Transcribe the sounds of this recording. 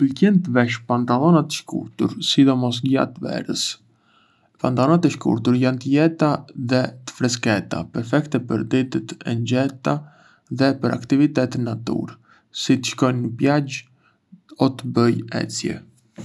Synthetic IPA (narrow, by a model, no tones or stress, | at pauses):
pəlkɛnt̪əvɛʃpant̪alˠɔnat̪əʃkṵɾt̪uɾsid̪ɔmɔs̬ɡja̰t̪əvɛ̰ɾəs | pant̪alˠɔnat̪ɛʃkṵɾt̪uɾjant̪əjɛt̪aðɛt̪ə̥fɾɛs̬kɛt̪a̰pɛɾfɛkt̪ɛpəɾd̪it̪ət̪ɛ̰nd͡ʑɛt̪a | ðɛpəɾa̰kt̪ivit̪ɛt̪ɛnːat̪ṵɾ | sit̪ə̥ʃkɔnnəpjad͡ʒ | ɔt̪əbəjɛ̰t͡sjɛ̰